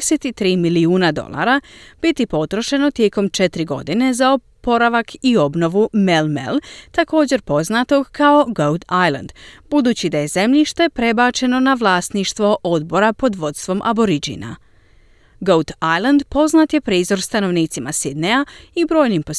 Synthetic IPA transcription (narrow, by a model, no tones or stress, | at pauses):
set̪it̪ɾiːmiliuːnad̪o̞̰lˠa̰ːɾab̥it̪ipo̞t̪ɾo̞ʃe̞no̞t̪je̞komt͡ʃe̞t̪ɾiɡo̞̰d̪ine̞zaopo̞ɾaʋakʰio̞bno̞ʋume̞lmḛlt̪ako̞ːd͡ʑe̞ɾpo̞znat̪o̞ɡkʰao̞ɡowd̪ajlˠa̰nd̪bud̪uːt͡ɕid̪aje̞ze̞mʎiʃt̪e̞pɾe̞baːt͡ʃe̞no̞naʋlˠaːst̪niʃt̪ʋo̞ʔo̞d̪bo̞ɾapo̞d̪ʋo̞t̪st̪ʋo̞mʔa̰bo̞ɾid͡ʑḭna̰ | ɡowt̪ajland̪po̞znaːt̪je̞pɾiːzo̞ɾst̪ano̞ʋniːt̪simasid̪neaibɾo̞ːjnimpo